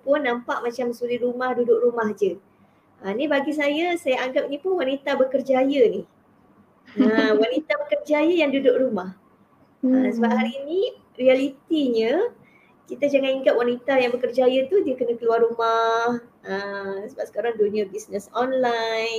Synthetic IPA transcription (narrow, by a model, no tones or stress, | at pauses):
pʊnːampaʔmat͡ʃamsuliɾumahdudʊʔ̚rumahd͡ʒə | ʔənibaɡis̬ajasajaaŋɡap̚nipʊnwanit̪abəkərd͡ʒajənih | əwanit̪abəkərd͡ʒajəjaŋdudʊʔrumah | əsəbap̚ɦalini | rialit̪iɲə | kit̪ad͡ʒaŋaniŋɡap̚wanit̪ajaŋbəkərd͡ʒajət̪udiəkənə̃kəluarumahəsəbapsə̥kaɾaŋdonəbisnəsɔnlajn